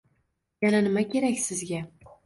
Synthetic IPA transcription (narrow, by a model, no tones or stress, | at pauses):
jananɪmakʲe̞ɾækʲsɪzɡʲa